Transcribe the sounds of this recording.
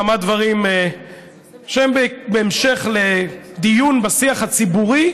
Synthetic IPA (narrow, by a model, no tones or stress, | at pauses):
amad̪vaʁime | ʃembebeːmʃeχled̪ijunbasiaχat͡sibuʁi